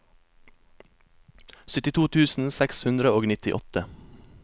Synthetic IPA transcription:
sʏt̪ɪt̪ʰuːt̪ʰʉːsn̩sɛkshʉnd̪ɾəoːɡnɪt̪ɪʔɔt̪ə

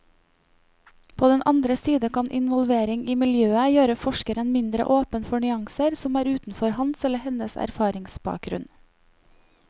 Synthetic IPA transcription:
pʰoːd̪ɛnʔɑnd̪ɾəsiːd̪əkʰɑnʔɪ̰nʋɔlʋeːɾɪŋiːmɪljøːəjøːɾəfɔʃkəɾənmɪnd̪ɾə̰ʔoːpənfɔɳʏɑŋsəɾsɔmæːɾʉːt̪n̩fɔɾhɑnsɛləhɛnəsæ̰ɾfɑːɾɪŋsbɑ̰ːk̚ɡɾʉ̰n

